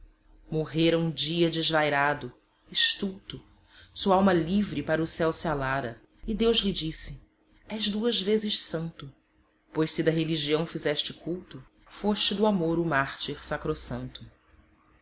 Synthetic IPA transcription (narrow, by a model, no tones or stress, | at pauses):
moɦeɾɐũd͡ʒiɐd͡ʒɪzvajɾad̪ʊ | iʃt̪uwt̪ʊ | suɐawmɐlivɾɪpaɾɐʊsɛwsialaɾɐ | id̪ewzlɪd͡ʒisɪ | ɛʒd̪uɐzvezɪʃsɐ̃nt̪ʊ | pojʃsɪid̪ɐɦeliʒiɐ̃w̃fizɛʃt͡ʃɪkuwt̪ʊ | foʃt͡ʃɪd̪ʊamoɾʊmaχt͡ʃiɾsakɾosɐ̃nt̪ʊ